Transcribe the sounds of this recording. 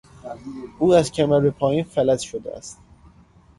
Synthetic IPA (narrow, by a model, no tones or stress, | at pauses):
ʔuːæzcʲʰæmæɾbepʰɒːjiːnfælæt̪ʃod̪ḛæ̰st̪̚